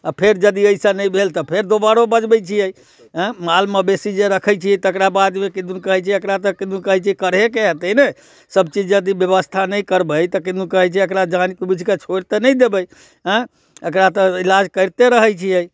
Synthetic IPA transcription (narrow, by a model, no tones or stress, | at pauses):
apʰeɾd͡ʒəd̪iəɪsanəjbʱelt̪əpʰeɾd̪obaɾobəd͡ʒbəjt͡ʃʰiəj | ɦə̃malmebesid͡ʒeɾəkʰəjt͡ʃʰijɛt̪əkɾabad̪mekĩd̪unkəɦɛjt͡ʃʰiəkɾat̪ɔkĩnd̪unkəɦɛjt͡ʃʰkəɾɦekeɦət̪əjne | səbt͡ʃid͡ʒjəd̪ibjəβəst̪ʰanəjkəɾbəjt̪əkĩd̪ukəɦəjt͡ʃʰɛəkɾad͡ʒankbit͡ʃket͡ʃʰoɾt̪enəjd̪ebəj | ɦə̃ | əkɾat̪ɔilad͡ʒkəɪɾt̪eɾəɦəjt͡ʃʰijəj